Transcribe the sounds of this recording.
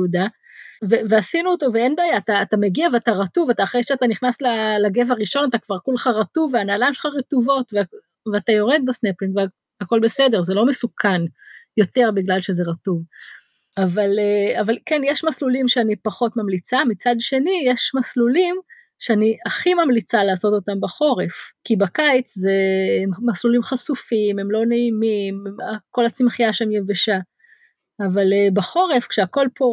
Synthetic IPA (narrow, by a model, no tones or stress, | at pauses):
uda | veveasinuoto̞veenbaːjaːt̪aːtameɡiaveataʁatuvat̪aːχʁejʃeat̪aniχnaslalaɡe̞vaʁiʃo̞nat̪akv̥aʁkuleχaʁatuvːeanaːlajmʃelχaʁetuvo̞tve | veatajo̞ʁed̪̚basnepliŋve | hako̞lbe̞se̞de̞ʁzelo̞mesukʰanjo̞te̞ʁbiɡlalʃe̞zeʁatuv | avaleavalkenjeʃmaslulimʃeanipaχo̞tmamlit͡samit͡sad̪ʃe̞nijeʃmaslulim | ʃeaniʔaχimamlit͡salaːso̞to̞tambaχo̞ʁefkibakajt͡szemaslulimχasufimemlo̞neimimako̞lat͡simχijaʃeemjeveʃaː | valebaχo̞ʁe̞fkʃeako̞lpo̞